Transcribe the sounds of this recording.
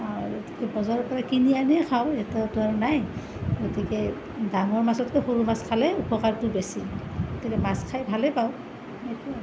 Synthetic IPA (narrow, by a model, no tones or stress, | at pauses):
ɡoti̥kɛbɔzɔɹɔpɔɹakinianikʰawɛtɔtʊaɹnaj | ɡotikɛ | daŋɔɹmazɔtkɔhoɹumaskʰalɛupɔkaɹtʊbesiɡotikɛmaskʰajbʱalɛpaʊ | ejtu